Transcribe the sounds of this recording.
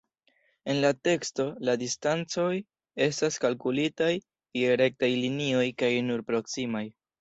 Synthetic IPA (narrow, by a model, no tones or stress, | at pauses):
e̞nlate̞ksto̞ladistant͡so̞j | e̞staskalkulitaj | ieɾe̞k̚tajlinio̞jkajnuɾpɾo̞ksimaj